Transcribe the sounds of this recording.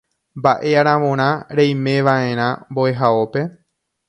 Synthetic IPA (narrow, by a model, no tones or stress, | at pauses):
mbaʔe̞aɾ̃ãʋõɾ̃ãɾejmẽ̞ʋaẽ̞ɾ̃ãmboeɦao̞pe̞